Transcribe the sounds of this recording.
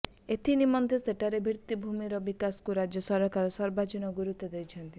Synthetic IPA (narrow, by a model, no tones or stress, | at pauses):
et̪ʰinimɔnt̪ʰeseʈʰaɾebʱiɾt̪ibʱumiɾɔbikasɔ̥kuɾad͡ʒjɔsɔɾɔkaɾɔsɔɾbad͡ʒinɔɡuɾut̪ːɔd̪ejt͡ʃʰɔnt̪i